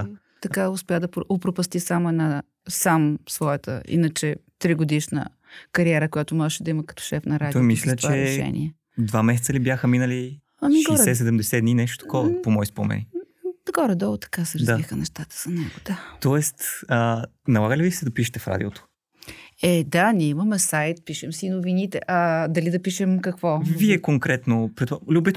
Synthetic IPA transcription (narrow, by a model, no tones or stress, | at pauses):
t̪ɐkaʊspʲjad̪ɐɾopɾopɐst̪isamʊɛd̪na | samsvɔjət̪ə̰ḭnət͡ʃɛt̪ɾiɡod̪iʃnə̰ | kɐɾiɛɾəkʊjat̪ʊmɔʒɛʃɛd̪ɐimɐkɐ̥t̪ɔ̥ʃɛfnɐɾad̪ɔjmisllʲət̪t͡ʃvaɛɾɛʃɛ̰nḭɛ | d̪vamɛs̬ɛtsəlibjaxəminəli | ɐniɡɔɾsɛsɛd̪ɛmd̪ɛsɛd̪ninɛʃt̪o̥t̪ɐ̥kɔpomɔispomɛ̰ni | ɡɔɾɛd̪ɔlˠot̪ɐ̥kasɾɐzaixənɛʃt̪at̪ə̥z̥ɐnɛɡʊd̪at̪ɔɛst̪ə | nɐlˠaɡəlivisɛd̪ɐpiʃ̬ɛ̥t̪ɛfɾa̰d̪ʲiot̪o̥ | ɛd̪anʲiɛimɐmɛsajt̪̚piʃɛmsiːnʊvinit̪ɛ̰ʔɐd̪ɐlid̪ɐpiʃɛmkɐkvɔviɛkoŋkɾɛt̪nopɾit̪alʲubɛt̪